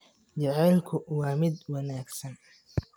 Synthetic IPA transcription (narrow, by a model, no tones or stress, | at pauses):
t͡ʃɛʕɛːlkʰʊwɑːmɪd̪wɑnaːɡsɐn